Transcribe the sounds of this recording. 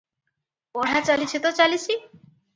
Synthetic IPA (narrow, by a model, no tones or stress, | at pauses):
pɔɽ̤at͡ʃalit͡ʃʰit̪ot͡ʃalit͡ʃʰi